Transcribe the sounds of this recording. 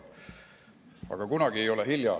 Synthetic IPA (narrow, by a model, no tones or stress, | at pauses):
ɑ̰ɡ̥ɑkunɑɡ̥ie̞jo̞leɦiljɑ̰